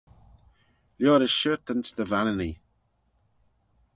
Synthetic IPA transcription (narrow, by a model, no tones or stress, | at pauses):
ljɔːɾəʃøːɾt̪ənsd̪əvanəni